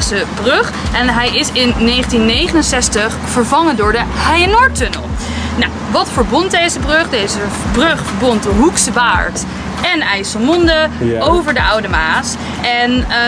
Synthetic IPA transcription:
səbrɵχ | ɛnɦɛjɪsɪnːejχəntinːejχənənsɛstəχ | fəɹvɑŋəndʊːɹdəhɛjənɔɹtɵnə̰lˠ | naw | ʋɑtfəɹbɔnt̚dejzəbrɵχdejzə | brɵχfəɹbɔntdəɦuksəbaːɹt | ɛnɛjsəmɔndəowvəɹdəʔʌwdəmaːs | ɛn

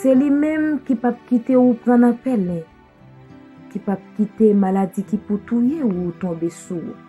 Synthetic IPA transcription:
selimɛ̃mkipap̚kit̪eupʁãnãpɛlɛ̃ | kipap̚kit̪emalad͡zikiput̪ujeut̪ɔ̃besuṵ

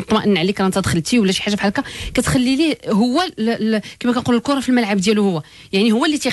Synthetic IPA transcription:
t̪ˤmɑʔənːʕlikɾˤɑnt̪æd̪xəlt̪iwəlːæʃi̥ħaʒːafiħalkækæt̪xælːiliɦʊwːækæmækænquləlkʊɾˤɑfilməlʕabd̪jæluhʊwːæ | jaʕnihʊwːælːit̪i

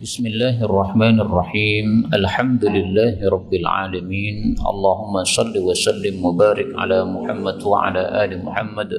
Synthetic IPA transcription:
bɪsmɪlːaːɦʔɑrˤːɑħmaːnɑrˤːɑħiːmʔalħamd̪ʊlɪlːaːhɾˤɑbːɪlʕa̰ːlamiːnʔɑ̰lˤːɑːɦʊmːasˤɑlːiwasalːɪmwabaːɾɪkʕa̰laːmʊħamːad̪wa̰ʕa̰laːʔaːlɪmʊħamːad̪

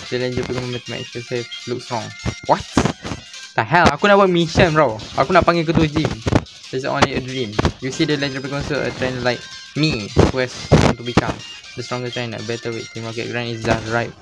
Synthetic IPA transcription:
t͡ʃɛlɛ̃nd͡ʒəpɛkɔ̃mmɛt̪əmɛ̰t͡ʃəsefluk̚stɹɔ̃ŋwat | taɦɛlakunaʔbaʔmĩʃə̃nɹaʔa̰kunaʔpãŋɡik̬ət̪uəd͡ʒĩm | dɛsõ̰nliədɹĩmjusidəlɛtipɛkɔ̃nsəʔə̰t̪ɹɛ̃nlaɪk̚ | miwɛsɔ̰̃nt̪ubikã̰m | dəstɹɔ̃ŋətɹɛ̃na̰bɛtəwḛt̪ĩmɔkɛ̰ʔɡɹãnisdatɹaɪt̚

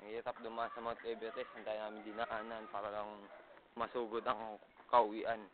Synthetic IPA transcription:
et̪ap̚d̪umasamat̪ɛbɛt̪ɛsant̪ajnaːmɪnd̪inaʔananpaɾalaŋmasuɡʊd̪aŋkauwiʔan

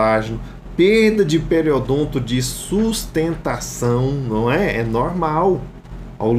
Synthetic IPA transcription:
aʒinʊ | peɾd̪ɐd͡ʒɪpeɾiod̪õt̪ʊd͡ʒɪsust̪ẽnt̪asɐ̃w̃nɐ̃w̃ɛɛnɔɾmaw | a̰wl

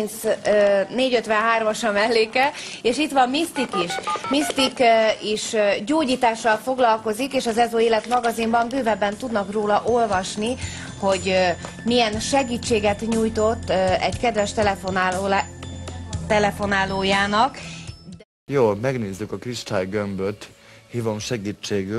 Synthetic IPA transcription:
nt̪s | neːɟøt̪ʋɛnɦaːrmɒʃɒmɛlːeːkɛeːʃit̪ʋɒmmist̪ikiʃmist̪ikiʃɟoːɟiːt̪aːʃːɒlfo̞ɡlɒlko̞zikeːʃɒzɛzoeːlɛt̪mɒɡɒzimbɒmbøːvɛbːɛnt̪ud̪nɒkroːlɒʔolvɒʃni | ho̞ɟ | mijɛnʃɛɡiːt͡ʃːeːɡɛt̪ɲuːjt̪o̞t̪ːɛɟkɛd̪ʋɛʃt̪ɛlɛfonː | t̪ɛlɛfo̞naːloːjaːnɒk | joːmɛɡneːzːykɒkriʃt̪aːjɡømbøt̪ | hiːvo̞mʃɛɡiːt͡ʃːeːɡy

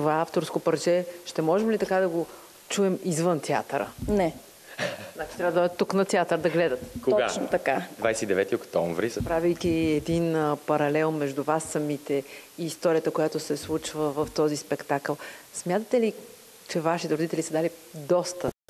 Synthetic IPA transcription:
t̪ovaaft̪oɾskopɐɾt͡ʃɛʃt̪ɛmɔʒɛmlit̪ɐkad̪ɐɡo | t͡ʃuɛmizvɤnt̪ja̰t̪ɾə̰nɛ | nat͡ʃi̥t̪ɾavəd̪ɔd̪ɛt̪ːuknɐt̪ʲat̪əɾd̪ɐɡlɛd̪ət̪koɡat͡ʃnot̪ɐkad̪vajsɛid̪ɛvɛt̪iokt̪ɔ̰ɱvɾispɾavijk̪ʲiɛd̪inpɐɾɐlɛlˠmɛʒd̪uvasːɐmit̪ɛiːst̪ɔɾijət̪əkojat̪ʊsɛslˠut͡ʃvəvəft̪ɔzispɛkt̪akəlˠsmʲjat̪ət̪ɛli | t͡ʃɛvaʃit̪ɛɾod̪it̪ɛlisɐd̪alid̪ɔst̪ə

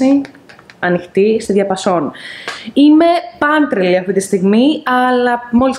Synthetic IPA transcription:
i | ɐnixt̪ist̪iðʝɐpɐso̞n | ime̞pɐnt̪ɾeliɐft̪it̪ist̪iɣmiɐlɐmo̞lis

